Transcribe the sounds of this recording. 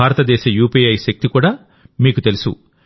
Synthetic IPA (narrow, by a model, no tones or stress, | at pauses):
aːɾɐt̪ɐd̪ɛːʃɐjuːpiɐjʃɐk̚t̪ikuːɽaː | miːkut̪e̞lusṵ